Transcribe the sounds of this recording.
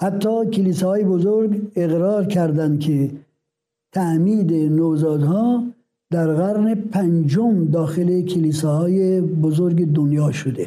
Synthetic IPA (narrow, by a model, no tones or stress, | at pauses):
hæt̪ːɒːkʰeliːsɛhɒːjebozoɾɡeɣɾɒːɾkʰæɾd̪ænd̪̚kʲʰe | t̪ʰæʔmiːd̪enoːzɒːd̪hɒː | d̪æɾɣæɾnepʰænd͡ʒomd̪ɒːxelekʲʰeliːsɛhɒːjebozoɾɡed̪onjɒːʃod̪e